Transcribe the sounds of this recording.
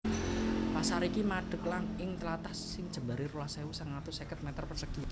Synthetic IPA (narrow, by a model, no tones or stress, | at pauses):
pasaɾikimaɖ̥ə̤klaŋɪŋt̪əlat̪asːɪŋd̥ʒ̥ə̤mbaɾirulasewusaŋat̪usɛkət̪̚mɛt̪ərpərsəɡ̥ia